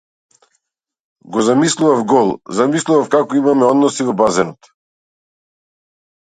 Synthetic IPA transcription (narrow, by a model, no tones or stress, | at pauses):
ɡɔzamislˠuvafɡɔlˠzamislˠuvafkakɔimamɛɔd̪nɔsivɔbazɛnɔt̪